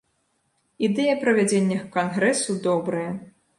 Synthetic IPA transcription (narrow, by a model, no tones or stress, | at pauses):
id̪ɛjɐpɾɐvʲad͡zʲenʲːɐxkanɣɾɛsud̪ɔbɾɐjɐ